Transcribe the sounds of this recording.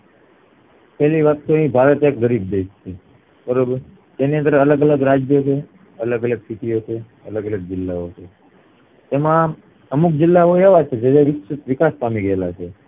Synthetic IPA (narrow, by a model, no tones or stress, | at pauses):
pɛliʋat̪t̪ʰuəɦĩbʱaɾət̪jak̚ɡəɾib̚d̪eʃt͡ʃʰe | pəɾ | d͡ʒ̪eniə̃nd̪əɾələɡələɡɾad͡ʒjot͡ʃʰe | ələɡələɡsiʈiot͡ʃʰe | ələɡələɡ̚d͡ʒɪlːaot͡ʃʰe | t̪emã | əmuk̚d͡ʒɪlːaoeʋat͡ʃʰed͡ʒed͡ʒaʋɪksɪt̪ʋɪkaspamiɡəlat͡ʃʰe